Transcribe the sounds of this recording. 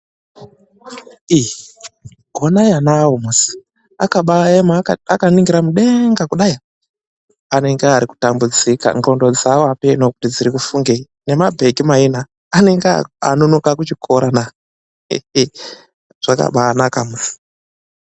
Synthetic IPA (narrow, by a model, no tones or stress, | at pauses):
i | ɡʱonajanaomusi̥ | a̰kaɓaemaakaniŋɡiɾamuɗe̞ŋɡakuɗai | ane̞ŋɡeaɾiku̥tambud͡zika̰nro̞ndo̞d͡zawoapenokutid͡ziɾikufuŋɡe | ne̞mabʱe̞ɡimainaː | neŋɡa̰nonokakut͡ʃikʰoɾana | ʐ̥aka̰ɓanakamusi̥